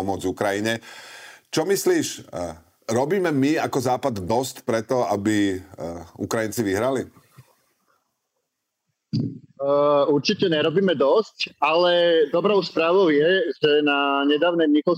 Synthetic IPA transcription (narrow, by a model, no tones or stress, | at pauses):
ɔmʊɔd͡zukɾajiɲɛ | t͡ʃɔmisliːʃ | ɾɔbiːmɛmiakɔzaːpad̪ːɔscpɾɛt̪ɔabi | ṵkɾajint͡siʋiɦɾali | uɾt͡ʃicɛɲɛɾɔbiːmɛd̪ɔscalɛd̪ɔbɾɔʊspɾaːʋɔʊjɛʒɛnaɲɛd̪aːʊnɛjɲixɔ